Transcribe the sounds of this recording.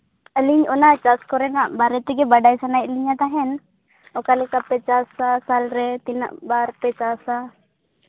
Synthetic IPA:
əliɲɔnaʔt͡ʃaskɔɾɛnaʔbaɾɛt̪ɛɡɛbaɖajsanajʔliɲat̪aɦɛn | ɔkalɛkapɛt͡ʃasasalɾɛt̪ina̰ʔbaɾpɛt͡ʃasa

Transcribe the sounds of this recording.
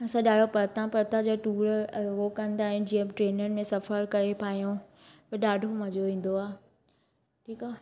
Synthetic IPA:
ɐsãɗaːɖʱopɐt̪ãpɐt̪ãd͡ʑoːʈuːɾɐɦokɐ̃nd̪aːɦijõd͡ʑiə̃ʈɾeːnənɪ̆mẽsɐfəɾkɐɾepʰaːɦijõ | pɐɗaːɖʱomɐ̃d͡ʑoʋĩːn̆d̪oaː | ʈʰiːkaː

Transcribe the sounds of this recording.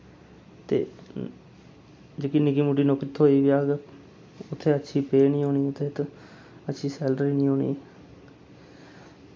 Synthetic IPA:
t̪ḛː | d͡ʒeːkinɪkiːmuːʈiːnokt̪ʰoːiːʋiaːɡ | ʊt̪ʰːeːətːʃʰiːpeːnĩːɦoːniːʊt̪ʰːeːt̪ | ətːʃʰiːsɛːlɖɾiːnĩːɦoːnḭː

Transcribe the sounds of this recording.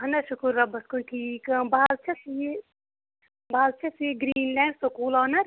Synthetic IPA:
ɦɐnɐʃukuɾːɐbɐskunʈʰiːkɐbaːlt͡ʃʰɐsje | baːlt͡ʃʰɐsjeɡɾiːnlɛ̃ːɳɖsokuːlaːnɐɾ

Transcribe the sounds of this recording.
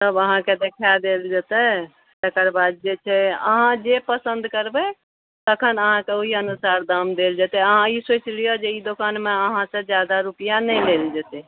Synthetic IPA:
səbəɦãked̪ekʰad̪eld͡ʒət̪ɛ | t̪əkəɾbad̪̚d͡ʒet͡ʃʰɛə̰ɦãd͡ʒepəsənd̪kəɾbɛ | t̪əkʰənəɦãkeoɦiənusaɾd̪amd̪eld͡ʒət̪ɛəɦãisot͡ʃlijod͡ʒeid̪okanmeəɦãsẽd͡ʒjad̪aɾupijanəjleld͡ʒət̪ɛ

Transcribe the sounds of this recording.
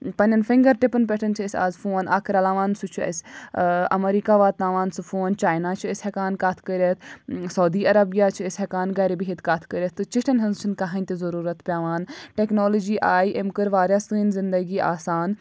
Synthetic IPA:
pɐnʲɐnfɪŋɡɐɾʈɪpɐnpʲeʈʰɐnt͡ʃʰiəsʲa̰ːzfoːnʔa̰ːkʰɾalaːʋaːnsut͡ʃʰuɐ̰sʲʔɐ̰meɾiːkaːʋaːt̪naːʋaːnsufoːnt͡ʃaːjnaːt͡ʃʰiəsʲhɐkaːnkat̪ʰkəɾʲɐt̪ʰsɐwd̪iːɐɾɐbijaːt͡ʃʰiəsʲɦekaːnɡɐɾibiɦit̪kat̪ʰkəɾʲɐt̪ʰːɨt͡ʃiʈʰɐnɦɐnzt͡ʃʰinkɐɦɐnʲt̪izɐɾuːɾɐt̪pʲaːʋaːnʈeknoːlod͡ʒiːʔaːiʔemkɨɾʋaːɾʲjaːsɨːnzɪnd̪ɐɡiːʔaːsaːn

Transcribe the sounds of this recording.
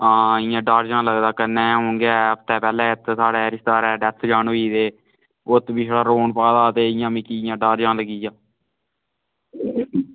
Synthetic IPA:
aːɪjãːɖaːɾd͡ʒãːləɡd̪aːkənːɛ̃ːɦõːŋɡaːəpt̪ɛːpɛːlɛ̃ːɪt̪ːsaːɽɛːɾɪst̪aːɾɛːɖɛt̪ʰd͡ʒaːɳoiːd̪eː | ʊt̪bɪːʃɽaːɾoːɳpaːd̪aːt̪eːɪjãːbĩːkiɪjãːɖaːɾd͡ʒãːləɡiːd͡ʒãː

